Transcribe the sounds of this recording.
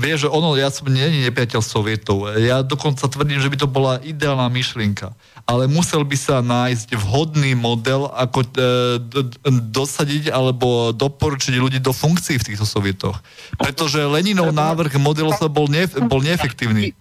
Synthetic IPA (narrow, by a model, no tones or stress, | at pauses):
ʋɪɛʒʒɛʔɔnɔjasɔmɲɛɲiɲɛpɾɪacɛlsɔʋɪɛt̪ɔʊjad̪ɔkɔnt͡sat̪ʋr̩ɟiːmʒɛbit̪̬ɔbɔlaʔid̪ɛaːlnamiʃlɪɛŋka | alɛmusɛlbisanaːjzɟvɦɔd̪niːmɔd̪ɛlakɔ | d̪ɔsaɟiɟalɛbɔd̪ɔpɔɾut͡ʃiɟʎuɟiːd̪ɔfuŋkt͡siːft̪iːxt̪ɔsɔʋɪɛt̪ɔ̰xpɾɛt̪ɔʒɛlɛɲinɔʊnaːʋr̩ɣmɔd̪ɛlɔsabɔlɲɛbɔlɲɛɛfɛkt̪iːʊniː